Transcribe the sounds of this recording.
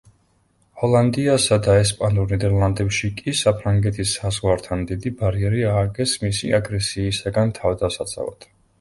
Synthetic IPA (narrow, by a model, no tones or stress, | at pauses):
hɔlˠand̪iasad̪aɛspʼanuɾnɛd̪ɛɾlˠand̪ɛpʃikʼisapʰɾaŋɡɛt̪ʰisːazʁwaɾt̪ʰand̪id̪ibaɾiɛɾiaːɡɛsmisḭaɡɾɛsiːsaɡant̪ʰavd̪asat̪sʼa̰va̰d̪̥